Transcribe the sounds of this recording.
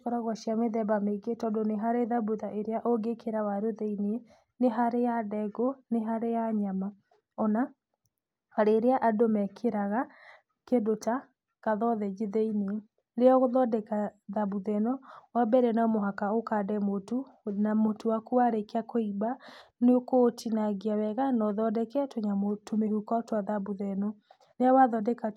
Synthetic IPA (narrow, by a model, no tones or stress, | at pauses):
kɔɾaɣwaʃiameðɛbameɡetɔdoneɦaɾeðabuðaʔeɾeaʔoɡekʰeɾawaɾoðɛine | neɦaɾejadɛɡoneɦaɾejaɲama | ɔna | aɾeɾeaʔadomɛkʰeɾaɣa | kedota | kaðɔðɛd͡ʒeðɛine | ɾeɔɣoðɔdɛkaðabuðɛnɔwabɛɾɛnamoɦakaokadɛmotunamotowakuaɾekeakʰoibaneokotʰinaɡiawɛɣanɔðɔdɛkɛtoɲamotumehukɔtwaðabuðɛnɔ | neawaðɔdɛka